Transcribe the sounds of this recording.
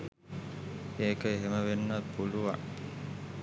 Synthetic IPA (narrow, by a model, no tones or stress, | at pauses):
eːkəeɦeməʋenːapuluʋa̰